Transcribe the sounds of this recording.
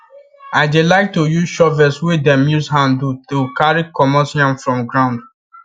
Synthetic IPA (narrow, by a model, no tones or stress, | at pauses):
aɪdelaɪk̚tojuʃɔvɛswedɛ̃mjushãndutukaɹikɔmɔsɔ̃nfɹɔ̃mɡɹãʊ̃nd